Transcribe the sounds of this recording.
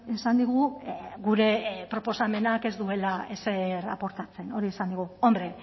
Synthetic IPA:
esand̪iɣuɣuɾe̞pɾo̞po̞same̞nake̞zd̪ue̞laese̞ɾa̰po̞ɾt̪at͡se̞no̞ɾiesand̪iɣ̞uo̞mbɾe̞

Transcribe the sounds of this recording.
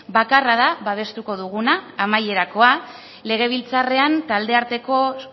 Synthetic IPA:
bakaraðaβaβ̞e̞st̪uko̞ðuɣunaːmaje̞ɾako̞a | le̞ɣ̞e̞β̞ilt͡sare̞ant̪ald̪e̞aɾt̪e̞ko̞

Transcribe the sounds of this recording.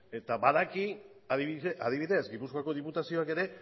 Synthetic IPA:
e̞t̪aβaðaki | aðiaðiβ̞iðe̞sɡipuskoako̞ðiput̪asio̞ake̞ɾe̞

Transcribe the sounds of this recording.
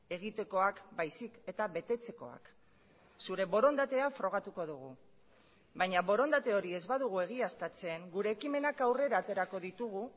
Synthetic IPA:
e̞ɣit̪e̞ko̞akbajsike̞t̪aβe̞t̪e̞t͡se̞ko̞a̰k | suɾe̞βo̞ɾo̞nd̪at̪e̞afɾo̞ɣ̞at̪uko̞ðuɣ̞u | bajɲaβo̞ɾo̞nd̪at̪e̞o̞ɾie̞zβaðuɣ̞ue̞ɣ̞iast̪at͡se̞ːŋɡuɾe̞ːkime̞nakawre̞ɾaːt̪e̞ɾako̞ðit̪uɣ̞u

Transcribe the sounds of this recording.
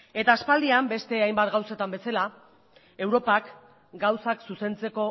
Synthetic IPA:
e̞t̪aːspald̪iambe̞st̪e̞ajmbat̪ɡawse̞t̪ambesala | e̞wɾo̞pak | ɡawsaksuse̞nt͡se̞ko̞

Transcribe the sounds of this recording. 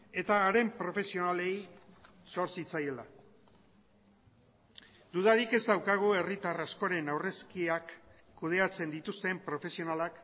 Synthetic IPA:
e̞t̪aːɾe̞mpɾo̞fe̞sio̞nale̞j | so̞ɾsit͡saje̞la | d̪uðaɾike̞zd̪awkaɣ̞ue̞rit̪arasko̞ɾe̞nawre̞skiakː | uð̞e̞at͡se̞nd̪it̪ust̪e̞mpɾo̞fe̞sio̞nalak

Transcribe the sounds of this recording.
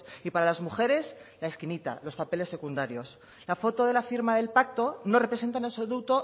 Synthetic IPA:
ipaɾalazmuxe̞ɾe̞slae̞skinit̪a̰lo̞spape̞le̞sːe̞kund̪aɾjo̞s | lafo̞t̪o̞ðe̞lafiɾmaðe̞lpak̚t̪o̞no̞re̞pɾes̬ent̪̬anelsoðut̪o̞

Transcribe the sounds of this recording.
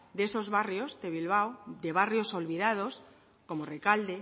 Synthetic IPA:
d̪e̞so̞zβarjozd̪e̞βilβ̞awd̪e̞βarjo̞so̞lβiðað̞o̞s | ko̞morekald̪e

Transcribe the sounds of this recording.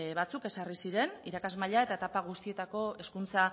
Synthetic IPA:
βat͡suke̞sarisiɾe̞niɾakazmaʎae̞t̪at̪apaɣ̞ust̪ie̞t̪ako̞e̞skunt͡sa

